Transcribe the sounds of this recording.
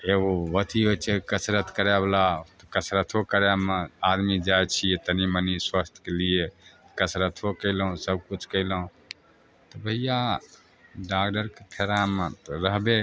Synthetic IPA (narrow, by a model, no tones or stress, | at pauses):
eɡoʋət̪ʰiɦot͡ʃʰekəsɾət̪ʰkəɾeblat̪ɔkəsɾət̪ʰokəɾemead̪mid͡ʒajt͡ʃʰiet̪əniməniswəst̪ʰkelije | kəsɾət̪ʰɦokəɪlũsəb̚kut͡ʃʰkəɪlɦũ | t̪ɔbʱəɦija | ɖakɖəɾkepʰeɾamet̪ɾəɦbe